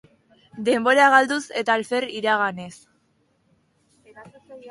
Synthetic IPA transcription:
d̪e̞mbo̞ɾaɣald̪use̞t̪aːlfe̞ɾiɾaɣane̞s

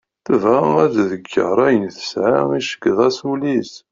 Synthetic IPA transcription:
θəvææd̪ðəɡːə̰ɾˤæjənθə̥sʕaiʃə̥kːəðˤæsulis

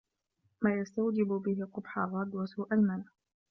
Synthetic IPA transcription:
maːjast̪awd͡ʒɪbʊbɪɦɪqʊbħaɾˤɑd̪wasuːʔalmana

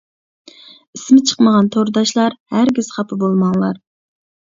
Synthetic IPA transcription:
ismɪt͡ʃʰə̥qməʁɑnt̪ʰoɾd̪ɑʃlˠɑɾhæɾɡʲiz̥χɑpʰɨbolˠmɑŋlˠɑɾ

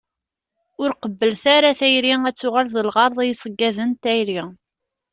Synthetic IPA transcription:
ʊɾqəbːəlθaɾaθæjɾiæt͡sːʊʁalðəlʁɑɾˤðˤæjisˤəɡːæðənt̪æjɾi

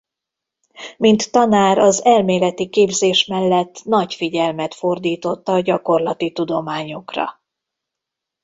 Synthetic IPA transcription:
mint̪ːɒnaːɾɒzɛlmeːlɛt̪ikeːbzeːʃmɛlːɛt̪ːnɒɟfiɟɛlmɛt̪fo̞rd̪iːt̪o̞t̪ːɒːɟɒko̞rlɒt̪it̪ud̪o̞maːɲokrɒ̰

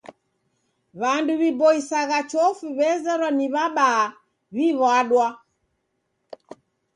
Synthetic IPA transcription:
βanduβibɔisaɣat͡ʃɔfuβɛzɛɾwɔniβaɓaː | βiɣɔaɗwa

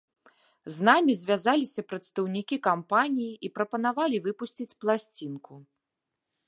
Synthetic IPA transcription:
znamʲizʲvʲazalʲisʲɐpɾɐt̪st̪ɐwnʲikʲikampanʲijiipɾɐpɐn̪avalʲivɨpusʲt͡sʲit͡sʲplˠasʲt͡sʲinku

